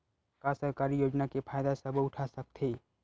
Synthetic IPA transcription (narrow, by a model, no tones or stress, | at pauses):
kasəɦkaɾijod͡ʒnakepʰaːjd̪asəbʱʊʈʰasək̚t̪ʰe